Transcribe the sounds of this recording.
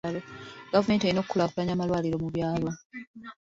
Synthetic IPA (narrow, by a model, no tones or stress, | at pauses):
loɡavume̞ːntejino̞kːulakulaɲaːmalwaːliɾo̞muβjaːlo̞